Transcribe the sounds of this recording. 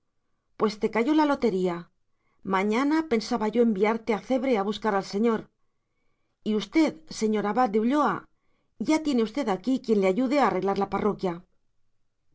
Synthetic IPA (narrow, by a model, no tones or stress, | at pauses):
pwe̞st̪e̞kaʝo̞lalo̞t̪e̞ɾia | mãɲanape̞nsaβaʝo̞e̞mbiaɾt̪e̞aθe̞βɾeaβ̞uskaɾalse̞ɲo̞ɾ | iust̪e̞ðse̞ɲo̞ɾaβad̪euʎo̞a | ʝat̪je̞ne̞ust̪e̞ðakikje̞nleaʝuðeaːre̞ɣlaɾlaparo̞kja